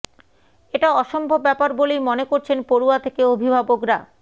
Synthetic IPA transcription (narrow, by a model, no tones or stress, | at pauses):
eʈaɔʃombʱobbːɛpaɾbolejmonekoɾt͡ɕʰenpoɾuat̪ʰekeobʱibʱabokɾa